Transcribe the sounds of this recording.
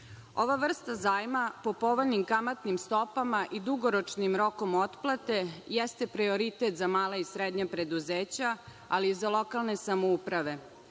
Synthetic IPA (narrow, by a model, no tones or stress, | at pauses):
o̞̰ʋaʋr̩st̪azaːjmapo̞po̞ʋoʎnimkamat̪nimst̪o̞pamaʔid̪uɡoɾot͡ʃnimɾo̞ko̞mo̞t̪plˠat̪e̞jɛst̪e̞pɾioɾit̪e̞t̪zamaːlaisɾed̪ɲapɾe̞d̪uzeːt͡ɕa | aliːzalˠo̞kalˠne̞samoupɾaʋe̞